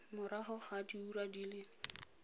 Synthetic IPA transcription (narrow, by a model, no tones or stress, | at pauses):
mʊɾaχʊχadiuɾadilɪ